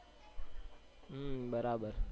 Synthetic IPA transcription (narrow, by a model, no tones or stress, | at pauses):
bəɾabəɾ